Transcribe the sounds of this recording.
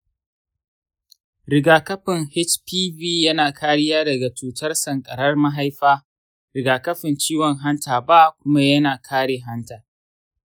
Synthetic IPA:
ɾɪ˨ɡaː˨kɐ˦ɸɪ˨ŋhɪ˦t͡ʃpiː˦biː˦jɐ˦naː˨kʰaː˦ɽɪ˦jaː˦dɐ˨ɡa˨t͡ʃuː˨tʰɐ˦rsɐ˨ŋkʼɐ˨ɽɐ˦rma˦ɦa˦jɸaː˦ | ɾɪ˨ɡaː˨kɐ˦ɸɪ˨nt͡ʃiː˦wɔ˨ŋɦa˦ntaː˨ba˦kʷʊ˦ma˦jɐ˦naː˨kʰaː˦ɽeː˨ɦa˦ntaː˨

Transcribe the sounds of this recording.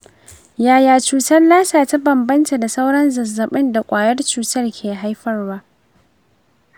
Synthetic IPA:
jaː˨jaː˨t͡ʃuː˨tɐ˦rlaː˦saː˨ta˦bɐ˨mbɐ˦nta˨da˨sa˦wɽɐ˦nzɐ˨zɐ˨ɓɪ˦nda˨kʷʼaː˨jɐ˦rt͡ʃuː˨tɐ˦rkʲʰeː˨ɦa˦jɸɐ˦rwaː˦ʔ

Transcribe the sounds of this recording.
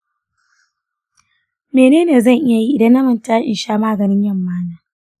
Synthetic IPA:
meː˨neː˦neː˨zɐ˦˨ŋʔɪ˦ja˨ji˦ʔɪ˨dɐ˦nːɐ˦mɐ˨ntaː˦ʔɪ̰˨nʃaː˦maː˦˨ɡɐ˨nɪ˦ɲjɐ˦˨mːaː˦naː˦

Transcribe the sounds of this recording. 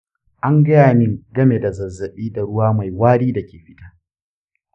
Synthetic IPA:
ʔa˦ŋɡɐ˦jaː˨nɪ˦ŋɡɐ˦me˨da˨zɐ˨zːɐ˨ɓiː˦da˨ɽʊ˦waː˦ma˨jwaː˦ɽiː˦da˨kʲeː˨ɸɪ˦taː˦

